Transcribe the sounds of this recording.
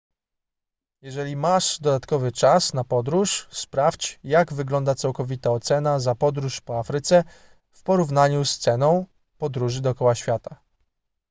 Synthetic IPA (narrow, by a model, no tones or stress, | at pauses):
jɛʐɛlʲimaʂd̪ɔd̪at̪kɔvɘt͡ʂasnapɔd̪ɾuʂspɾafʲt͡ɕjaɡvɘɡlɔnd̪at̪sawkɔvʲit̪aɔt̪sɛnazapɔd̪ɾuʂpɔafɾɘt̪sɛ | fpɔɾuvnaɲust̪sɛnɔ̃w̃ | pɔd̪ɾuʐɘd̪ɔːkɔwaɕfʲjat̪a